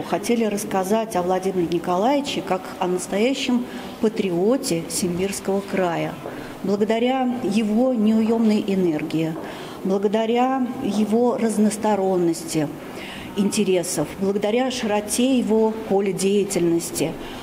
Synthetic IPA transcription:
xɐtʲelʲɪɾəskɐzatʲɐvlˠɐdʲimʲɪɾʲɪnʲɪkɐlˠajɪt͡ɕɪkakɐnəst̪ɐjæɕːɪm | pət̪ɾʲɪo̞tʲɪsʲɪmʲbʲirskəvəkɾajə | blˠəɡəd̪ɐɾʲajɪvo̞nʲɪʊjo̞mnəjʔɪne̞rɡʲɪɪ | blˠəɡəd̪ɐɾʲajɪvo̞rəznəst̪ɐɾo̞nːəsʲtʲɪ | ɪnʲtʲɪɾʲe̞səfblˠəɡəd̪ɐɾʲaʂɨɾɐtʲejɪvopo̞lʲɪdʲejɪtʲɪlʲnəsʲtʲɪ

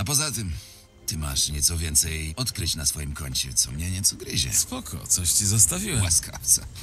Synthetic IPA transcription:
apɔzat̪ɘm | t̪ɘma̰ʂɲɛt̪sɔvʲjɛnt̪sɛjɔt̪kɾɨt͡ɕnasfɔjimkɔɲt͡ɕɛt̪sɔmɲɛɲɛt̪sɔɡɾɘd͡ʑɛ̰spɔkʰɔ̰t̪sɔɕt͡ɕɛzast̪avʲiwɛwaskʰa̰ft̪sɛ̰

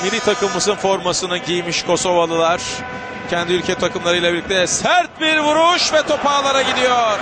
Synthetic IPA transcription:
milʲit̪ʰakɯmːɯzɯnfo̞ɾmasɯnɯɟijmiʃkʰo̞so̞valˠɯlˠaɾ̥ | cʰɛnd̪iylʲcʰɛt̪ʰakɯmlˠaɾɯilʲˠabilʲːic̚t̪ʰɛsæɾt̪̚biɾvuɾuʃvɛt̪ʰo̞paːlˠaɾaɟid̪ijo̞ɾ̥

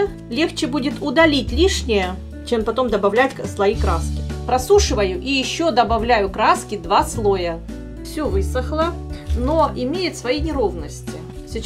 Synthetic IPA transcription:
lʲe̞xt͡ɕɪbudʲɪt̪ʰʊd̪ɐlʲitʲlʲiʂnʲɪjə | t͡ɕempɐt̪o̞md̪ɐbɐvlʲætʲslˠɐikɾaskʲɪpɾɐsuʂɨvəjʊʔijɪɕːo̞d̪ɐbɐvlʲæjʊkɾaskʲɪd̪vaslˠojə | fsʲɵvɨsəxlˠəno̞ʔɪmʲejɪt̪svɐjinʲɪɾo̞vnəsʲtʲɪ | sʲɪ

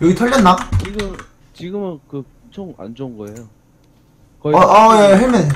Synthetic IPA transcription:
jʌɡitʰʌɭːʌnːat͡ɕiɡɯm | t͡ɕiɡɯmɯnkɯ | t͡ɕʰoŋa̰nd͡ʑoŋɡʌejo | kʌʔʌjeɦeɭmjʌne

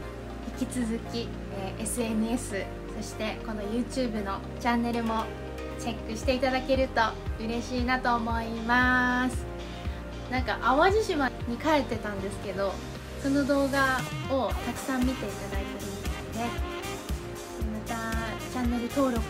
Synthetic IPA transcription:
hikʲit͡sɨzɨkʲi | ʔesɨe̞nɯ̟e̞sɨ | so̞ɕi̥t̪e̞ko̞no̞jɯ̟ːt͡ɕɨːbɯ̟no̞ | t͡ɕãnːe̞ɾɯ̟mo̞ | t͡ɕe̞kːɯ̟ɕi̥t̪e̞it̪ad̪ake̞ɾɯ̟t̪o̞ɯ̟ɾe̞ɕiːnat̪o̞ːmo̞imasɨ̥ | nãŋka̰ʔaβad͡ʑiɕimaɲ̟ikae̞t̪ːe̞t̪ãnd̪e̞sɨ̥ke̞d̪o̞ | so̞no̞d̪o̞ːɡaot̪akɯ̟̥sãmːʲit̪e̞it̪ad̪ait̪eɾɯnd̪eod̪e̞ | mat̪a | t͡ɕãnːe̞ɾɯ̟t̪o̞ːɾo̞k

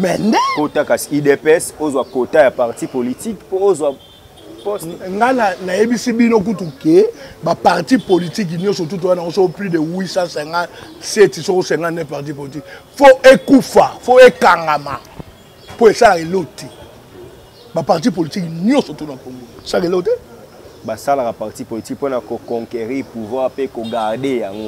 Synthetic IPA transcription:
mɛndɛkotakasidepɛsozwakotajapaʁtipolitikpozwa | ŋɡananajebisibinok̬utukebapaʁtipolitik̬nɔ̃sot̬ut̬uanaosokoplidewisasɛŋɡasetisokosɛŋɡanɛpaʁt̬ipolit̬ikfoʔekufafoekaŋɡama | poesalakeloti | bapaʁt̬ipolitiknjɔsotutapoŋɡosalakelote | basalakapaʁtipolitikponakokɔŋkeʁipuvwaʁpekoɡaʁdejaŋɡo

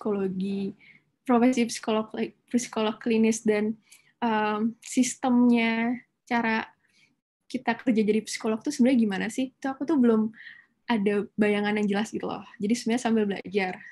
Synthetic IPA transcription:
si̥koloɡi | pɾofesipsi̥kolɔklpisi̥kolɔklinɪsdan | əmsist̪əmɲa | t͡ʃaɾa | kit̪akərd͡ʒad͡ʒadipsi̥kolɔk̚t̪usəmbəɾɲaɡimanasɪht̪uakut̪ubəlʊm | adabajaŋanjaŋd͡ʒəlasit̪ulɔ̰hd͡ʒadisəmbaɲasambɪlbəla̰d͡ʒar

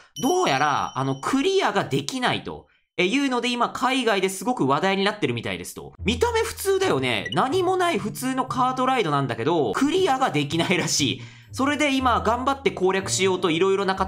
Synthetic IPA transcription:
d̪o̞ːjaɾa̰a̰no̞kʰɯ̟ɾʲijaɡad̪e̞kʲinaḭt̪o̞̰ | e̞jɯ̟ːno̞d̪e̞imakʰaiɡaid̪e̞sɨɡo̞kɯ̟βad̪aiɲ̟inat̪ːe̞ɾɯ̟mʲit̪a̰ḭd̪e̞sɨ̥t̪o̞̰mʲit̪ame̞ɸɯ̟̥t͡sɨːd̪ajo̞ne̞̰naɲ̟imo̞naiɸɯ̟t͡sɨːno̞kaːt̪o̞ɾaid̪o̞nãnd̪ake̞d̪o̞kʰɯ̟ɾʲiaɡad̪e̞kʲinaiɾaɕḭː | so̞ɾe̞d̪e̞imaɡãmbat̪ːe̞ko̞ːɾʲjakɯ̟̥ɕijo̞ːt̪o̞iɾo̞iɾo̞naka

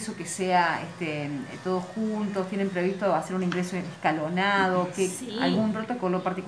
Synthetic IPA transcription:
sokeseaeht̪et̪o̞ð̞osxunt̪ost̪jene̞mpɾe̞βist̪oase̞ɾunĩŋɡɾesoeneskalonað̞okea̰lɣump̪ɾot̪okoloɾpaɾt̪ik

